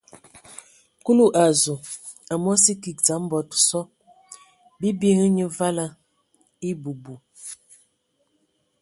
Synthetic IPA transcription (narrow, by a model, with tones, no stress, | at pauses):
ku˦lu˦ʔa˨zu˨ | a˨mɔ˦si˦ki˨k̚d͡za˨˦m˦bɔ˨tsɔ˦ | bi˦bje˦ŋi˦ɲə˦va˦la˦ | i˦bu˨bu˨